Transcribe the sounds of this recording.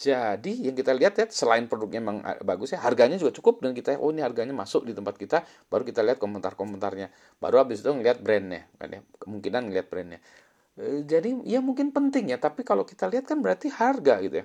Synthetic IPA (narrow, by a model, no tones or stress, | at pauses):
d͡ʒadijaŋkit̪aliat̪jat̪səlaɪnpɾodʊk̚ɲamaŋa̰baɡʊsjaɦarɡaɲad͡ʒuɡat͡ʃukʊp̚dəŋankit̪ajaʔo̰niɦarɡaɲamasʊk̚dit̪əmpat̪̚kit̪a | b̥aɾukit̪aliat̪̚komənt̪arkomənt̪arɲa | ba̰ɾuabɪsit̪uŋəliat̪̚bɾɛnɲa̰ka̰nja̰kəmuŋkinanŋəliat̪̚bɾɛnɲa̰ | əd͡ʒadiijamuŋkɪnpənt̪ɪŋjat̪apikalokit̪aliɦat̪̚kanbəɾart̪iharɡaɡit̪uja